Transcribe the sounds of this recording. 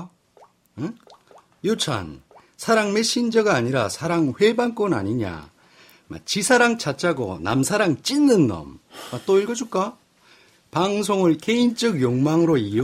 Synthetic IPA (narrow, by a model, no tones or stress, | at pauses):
jot͡ɕʰa̰n | sʰaɾaŋme̞ɕ͈ind͡ʑʌɡaːɲiɾasʰaɾaŋɸwe̞bank͈ona̰ɲiɲa̰ | ma̰t͡ɕisʰaɾaŋt͡ɕat͡ɕ͈aɡo̰na̰msʰaɾaŋt͡ɕ͈inːɯnːʌ̰mmat͈oiɭɡʌd͡ʑuk͈a | paŋs̬ʰoŋɯɭke̞int͡ɕ͈ʌɡjoŋmaŋɯɾoi